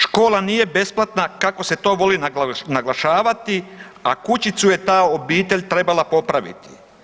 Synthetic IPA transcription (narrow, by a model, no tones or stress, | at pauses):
ʃko̞ːlaniːje̞be̞splˠat̪nakako̞se̞t̪o̞ːʋo̞linanaɡlˠaʃaːʋat̪i | a̰kut͡ɕit̪suje̞t̪aːo̞biːt̪e̞ʎʲt̪ɾe̞balapo̞pɾaʋḭt̪i̥